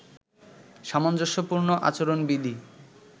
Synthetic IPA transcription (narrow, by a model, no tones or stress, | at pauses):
ʃamand͡ʑoʃopuɾnoʔa̰t͡ɕoɾonbid̪ʱi